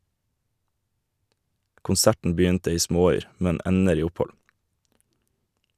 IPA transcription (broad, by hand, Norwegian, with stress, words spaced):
kʊnˈsæʈn̩ ˈbʏntə ˈiː ˈsmoːˌyːɾ ˈmɛn ˈɛnəɾ ˈiː ˈʊˌpɔl